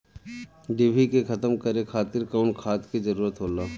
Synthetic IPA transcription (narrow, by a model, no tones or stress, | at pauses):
ɖeːbʱikekʰɐt̪əmkɐɾekʰaːt̪ɪɾkɐːnkʰaːt̪kizɐɾuːɾət̪ɦoːlaː